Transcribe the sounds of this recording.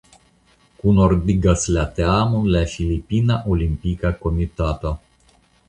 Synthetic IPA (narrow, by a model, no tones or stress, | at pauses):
kunord̪iɡaslat̪eamunlafilipinaʔolimpikakomit̪at̪a